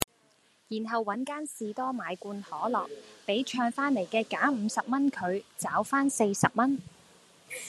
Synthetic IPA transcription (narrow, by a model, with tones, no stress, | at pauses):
jiː˨˩nɦɐ˨wːɐ˨˥nkaː˥nsiː˨t̪ɔː˥maː˨˧jkuː˧nhɔː˨˥lɔː˨k̚pe˨˥jt͡ʃʰœː˧ŋfaː˥nle˨˩jkɛː˧kaː˨˥m̩ː˨˧sɐ˨p̚mɐ˥nkʰɵ˨˧ɥt͡saː˨˥wfaː˥nse˧jsɐ˨p̚mɐ˥n